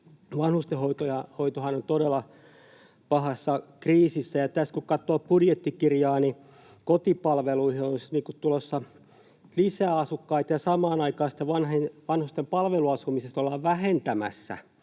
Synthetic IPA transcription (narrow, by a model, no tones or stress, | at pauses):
ʋɑnhust̪ehoit̪ojɑhoit̪ohɑnont̪oɾelːˑɑ | pɑhɑsːɑkriːsisːæjɑt̪æskukɑt̪ːˑoːpbudjet̪ːikirjɑːni | kot̪ipɑlʋeluihionsit̪niːŋkut̪t̪ulosːɑ | lisæːɑsukːɑit̪jɑsɑmɑːnɑikɑːsi̥t̪ːeʋɑnhenʋɑnhust̪empɑlʋeluɑsumisest̪olːɑːʋʋæhent̪æmæ̰sːæ̰